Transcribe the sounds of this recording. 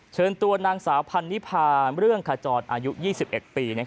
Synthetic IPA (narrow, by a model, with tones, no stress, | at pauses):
t͡ɕʰɤː˧nt̪u˧ɐnaː˧ŋsaː˩˦wpʰa˧nːi˦˥pʰaː˧ɾɯ˥˩əŋkʰaː˧t͡ɕɔː˨˩nʔaː˧ju˦˥jiː˥˩si˨˩p̚ʔe˨˩t̪̚piː˧na˦˥kʰa˦